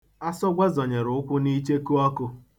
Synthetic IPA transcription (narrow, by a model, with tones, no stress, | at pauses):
a˦sʊ˦ɡʷe˦zɔ˨ɲe˨ɾʊ˨ʊ˦kʷʊ˦ni˦t͡ʃe˦ku˦ɔ˦kʊ˦